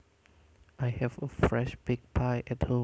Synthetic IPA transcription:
ʔajhɛvəfɹɛʃb̥ɪɡ̚pʰaɪʔɛt̚hõ

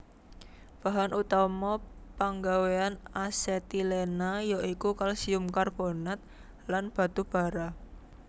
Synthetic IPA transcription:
b̥a̤ɦanʔut̪ɔmɔpaŋɡaweanaset̪ilenajɔʔikukalsiʊmkarb̥onat̪̚ | lanb̥a̤t̪ub̥a̤ɾa

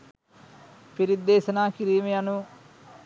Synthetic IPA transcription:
piɾid̪ːeːsɐnaːkiɾiːmejɐnu

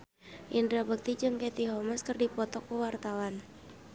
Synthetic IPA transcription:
ʔindɾabək̚t̪id͡ʒɨŋkɛt̪iɦɔməskɨrdipɔt̪ɔkːəwart̪awan

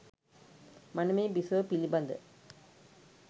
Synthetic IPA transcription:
manəmeːbisəʋəpiliband̪ə

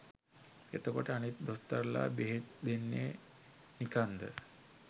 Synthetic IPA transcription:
et̪okɔʈeañit̪d̪ɔst̪aɾla̰beɦet̪̚d̪enjḛ | nikand̪ə̰

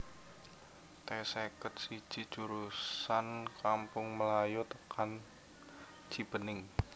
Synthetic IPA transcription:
t̪ɛsekət̪̚si̥ʒ̥i̤̥ʒ̥uɾusankampʊŋməlajot̪əkʰan | d͡ʒ̥i̤b̥ənɪŋ

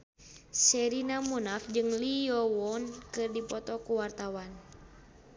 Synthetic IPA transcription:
sɛɾinamunak̚d͡ʒɨŋlijɔwɔnkɨrdipɔt̪ɔkuwart̪awan

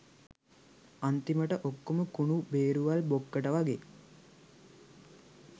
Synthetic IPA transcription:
ant̪iməʈəʔokːoməkuɳubeːɾuʋalbokːəʈəʋaɡe

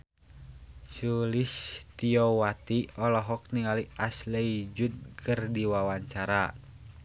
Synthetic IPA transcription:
sulist̪iɔwat̪iɔlɔɦɔk̚niŋaliaslɛid͡ʒud̪̚kʰɨrdiwawaɲt͡ʃaɾa

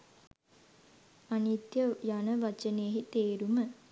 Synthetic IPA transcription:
anit̪jəjanəʋat͡ʃənejeɦit̪eːɾumə

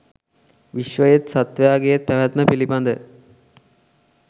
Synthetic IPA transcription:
ʋiʃʋəjet̪sat̪ʋəjaːɡejet̪ːæʋæt̪məpilipand̪ə

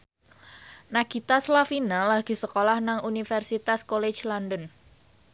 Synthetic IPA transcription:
naɡ̥it̪aslafinalaɡ̥ṳsəkolahnaŋunifɛrsit̪askole̥t͡ʃlɔndən

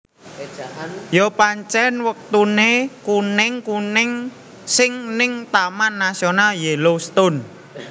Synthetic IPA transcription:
jopaɲt͡ʃɛnwək̚t̪unekunɪŋkunɪŋ | sɪŋnɪŋt̪amanːasionaljelost̪ʊn

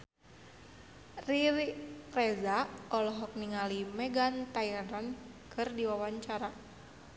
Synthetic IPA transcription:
ririrɛzaɔlɔɦɔk̚niŋalimɛɡant̪ajaɾan | kʰɨrdiwawaɲt͡ʃaɾa

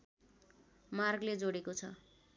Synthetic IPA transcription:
marɡled͡zoɽekot͡sʰʌ

